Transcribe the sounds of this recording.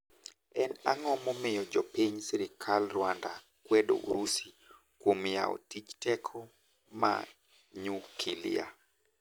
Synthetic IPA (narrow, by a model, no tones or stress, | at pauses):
ɛnaŋɔmɔmɪjɔd͡ʒɔpiɲsiɾɪkʰalrwanda | kwɛdo̰ʔṵɾusi | kwomja̰ɔ̰tit͡ʃtɛkʰɔ | ma̰ | ɲukʰilɪ̰ja̰